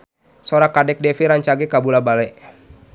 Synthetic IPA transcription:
sɔɾakadɛk̚dɛfiɾaɲt͡ʃaɡɛkabulabalɛʔ

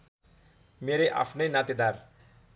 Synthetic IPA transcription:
meɾeʔa̰pʰnʌjnat̪id̪ar

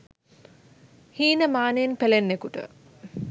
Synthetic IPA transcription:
hiːnəmaːnejenpelenːekuʈə̰

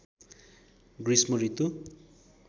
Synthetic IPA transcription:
ɡrismoɾit̪u

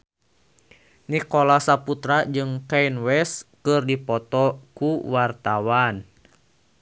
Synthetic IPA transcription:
nikɔlasaput̪ɾad͡ʒɨŋkajnwɛskɨrdipɔt̪ɔkuwart̪awan

